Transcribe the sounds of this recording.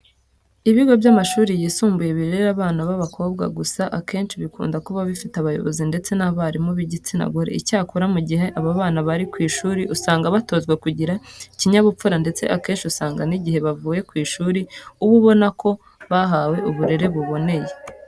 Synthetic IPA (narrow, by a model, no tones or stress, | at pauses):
iβiɡo̞bjamaʃuːɾijiːsuːmbuje̞βiɾeɾaβaːnaβaβakʰo̞ːbɡa̰ɡusaʔake̞ːnʃiβikṵːndakuβaβifitaβajo̞̰βo̞̰zinde̞t͡se̞naβaɾimoβiɟit͡sina̰ɡoɾe̞̰ʔicaːkuɾamuɟiɦe̞ʔaβaβaːnaβaɾikwiːʃuːɾiʔusaːŋɡaβato̞ːzɡwe̞kuɟiɾaiciɲaβup͡fuɾande̞t͡se̞̰ʔake̞ːnʃiusaːŋɡaniɟihe̞βavuːje̞kwiːʃuːɾiuβuβo̞nakʰo̞ | βaɦawe̞uβuɾe̞ɾe̞βuβo̞ne̞je̞